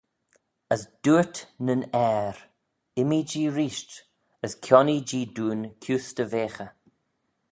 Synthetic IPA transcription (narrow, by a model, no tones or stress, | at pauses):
əsd̥uːətnənɛɾ | ɪmid͡ʒiːɾiːʃt | əskʰjɔnid͡ʒiːduːnkʰjuːstəveːxə